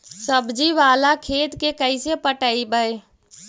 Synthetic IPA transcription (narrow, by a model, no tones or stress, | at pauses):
səbd͡ʒiʋaːlakʰeːt̪kekəɪsepəʈəibəe